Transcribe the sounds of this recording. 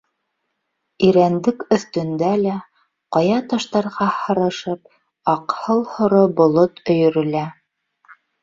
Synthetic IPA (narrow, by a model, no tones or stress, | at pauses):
iɾænd̪ɘkɵ̆θt̪ɵ̆nd̪ælæ | qɑjɑt̪ɑʃt̪ɑɾʁɑhɤ̆ɾɤ̆ʃɤp̚ | ɑqhɤlˠhŏɾobŏlˠot̪ɵ̆jɵ̆ɾɵ̆læ